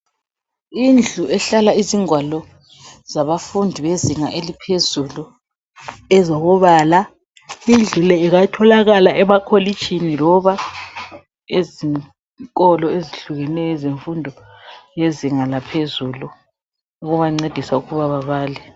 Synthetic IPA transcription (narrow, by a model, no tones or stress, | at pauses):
ind͡ɮʱuɛɬalaiziŋwalɔ | z̥aβafundʱiβeziŋaʔelipʰezulu | ɛzɔɣɔβaːla | ind͡ɮʱulɛiɣatʰɔlaɣalaʔɛmakʰolit͡ʃʰʼinilɔβa | eziŋ | kʼɔlɔeziɬuɣɛnɛjɔɛzeɱfundʱɔjeziŋalapʰezulu | uɣuβaŋ͡ǀed̥ʱisauɣuβaβaβaːlɛ